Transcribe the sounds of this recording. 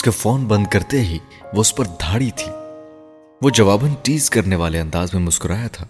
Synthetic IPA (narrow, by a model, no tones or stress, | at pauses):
ʊskefɔːnbɐ̃nd̪̚kɐɾt̪eɦi | ʋoʊspɐɾd̪ʱaːɽit̪ʰiː | ʋod͡ʒɐʋaːbənʈiːzkɐɾneʋaːleɐ̃nd̪aːzmẽmʊskʊɾaːjat̪ʰaː